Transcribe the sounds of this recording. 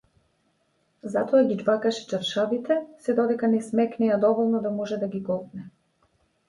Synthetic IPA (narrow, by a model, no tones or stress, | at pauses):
zat̪ɔaɡʲid͡ʒbakaʃɛ̥t͡ʃaɾʃavit̪ɛsɛd̪ɔd̪ɛkanɛsmɛknɛjad̪ɔvɔlˠnɔd̪amɔʒɛd̪aɡʲiɡɔlˠk̪nɛ